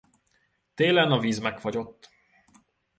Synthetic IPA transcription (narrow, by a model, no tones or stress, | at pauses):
t̪eːlɛnɒviːzmɛkfɒɟo̞t̪ː